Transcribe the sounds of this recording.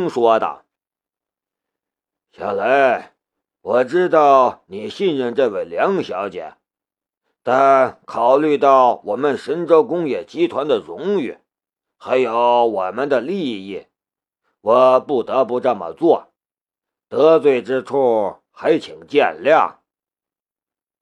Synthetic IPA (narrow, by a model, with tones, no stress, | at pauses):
ŋʂwɔ˥d̪ə̰˩ | ɕjɑ̰˨˧˩la˧˥ɪ | wɔ˨˩ʈ͡ʂɻ̩˥t̪ɑ˥˩ʊni˨˩ɕi˥˧nɻə˥˧nʈ͡ʂɤ˥˩we˨˩ɪljɑ˧˥ŋɕjɑ˧˥ʊt͡ɕjɛ̰˨˩˦ | t̪a˥˩nkʰɑ˨˩ʊly˥˧t̪ɑ˥˩ʊwɔ˨˩mə˧nʂə˧˥nʈ͡ʂo˥ʊkʊ˥ŋjɛ˨˩t͡ɕi˥t̪ʰwa˧˥nd̪ə˨ɻʊ˧˥ŋy̰˨˩˦ | xa˧˥ɪjo˧˥ʊwɔ˨˩mə˧nd̪ə˨li˥˧i˥˩ | wɔ˨˩pu˥˩t̪ɤ˧˥pu˧ʈ͡ʂə˥˩mə̰˨˩t͡swɔ˥˩ | t̪ɤ˧˥t͡swe˥˩ɪʈ͡ʂɻ̩˥t͡sʰu˥˩ | xa˧˥ɪt͡ɕʰi˨˩ŋt͡ɕjɛ˥˩nljɑ̰˥˩ŋ